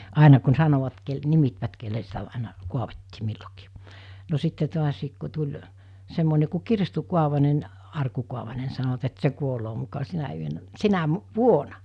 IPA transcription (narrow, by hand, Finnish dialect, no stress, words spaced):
ɑˑenɑ kun sɑnoʋɑt kel nimitʋæt kelːe sitæ ɑˑenɑ kuɑʋetːiː milːokiː no sitːe to̝ɑsiːk ku tulʲ semːone ku kirstu kuɑʋɑnen ɑrku kuɑʋɑne ni̥ sɑnoʋɑt et se kuoloː mukɑ sinæ yønæ sinæ ʋuonɑ